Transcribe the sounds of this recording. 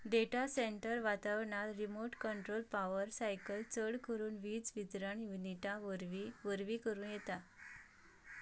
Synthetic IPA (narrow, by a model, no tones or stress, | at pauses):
ɖeʈaseɳʈəɾʋat̪aʋɳalɾimoɾʈkəɳʈɾolpaʋəɾsajkəlt͡səɽkəɾuːnʋiːd͡zʋid̪ɾaɳjuniʈaʋɾʋiʋəɾʋiːkəɾuːnjet̪a